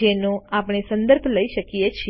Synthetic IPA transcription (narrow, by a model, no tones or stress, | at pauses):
enõapɳ̃esə̃nd̪əɾbʱləiʃəkijet͡ʃʰ